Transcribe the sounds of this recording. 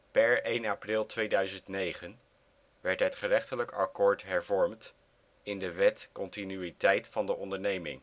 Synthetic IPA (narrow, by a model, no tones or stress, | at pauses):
pɛɹejnaprɪlˠtʋejdœɥzəntnejχən | ʋɛɹtɦətχərɛχtələkɑ̰kʊːɹtɦɛɹvɔɹmt | ɪndəʋɛtkɔntinyitɛjtfɑndəʔɔndəɹnejmɪ̰ŋ